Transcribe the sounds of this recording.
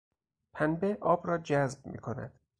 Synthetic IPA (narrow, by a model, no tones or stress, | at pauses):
pʰænbeʔɒːbɾɒːd͡ʒæzb̚mḭːkʰo̞næ̰d̪̥